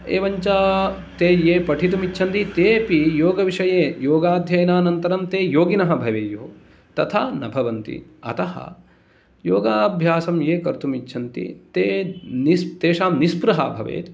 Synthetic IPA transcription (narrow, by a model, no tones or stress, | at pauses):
ḛːʋɐɲt͡ʃaː | t̪eːjeːpɐʈʰit̪̬umitːt͡ʃʰɐnt̪it̪eːpijoːɡɐʋiʂɐjeːjoːɡaːd̪ʱjɐjnaːnɐnt̪ɐɾɐmt̪eːjoːɡinɐɦɐbʱɐʋeːjoː | t̪ɐt̪ʰaːnɐbʱɐʋɐnt̪ḭɐ̰t̪ɐɦɐ̰ | joːɡaːbʱjaːsɐmjeːkɐɾt̪umitːt͡ʃʰɐnt̪ḭt̪eːnist̪eːʃaːmnispɾɐɦa̰ːbʱɐʋḛːt̪